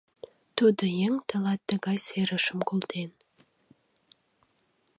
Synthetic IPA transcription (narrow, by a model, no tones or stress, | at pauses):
t̪ud̪ə̆jeŋt̪ə̆lɑt̪ːə̆ɣɑjseɾə̆ʃə̆mkolt̪ʰen